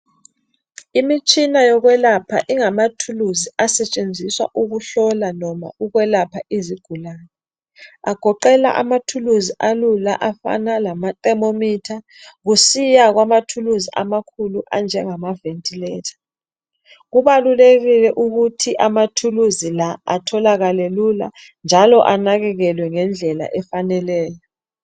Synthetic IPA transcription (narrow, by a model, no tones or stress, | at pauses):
imit͡ʃʼinajɔɣwɛlapʰa̰ʔiŋamatʰuluziasɛt͡ʃʼend͡zʱiswa̰ʔuɣuɬɔlanɔma̰uɣwɛlapʰaʔiziɡ̥ʱulaːnɛ | aɡ̥ʱɔǃɛla̰ʔa̰matʰuluziʔalula̰ʔafa̰nalamatʼɛmomitʰa | ɣusijaɣwamatʰuluziʔa̰makʰuluʔand͡ʒʱɛŋamaventʰʼilɛːtʰḁ | ɣuβaluleɣilɛʔuɣutʰiʔamatʰuluzilaa̰tʰɔlaɣalɛlula̰ | nd͡ʒʱalɔʔanaɣɛɣɛlwɛŋɛnd͡ɮʱɛla̰ʔɛfanɛlɛːjɔ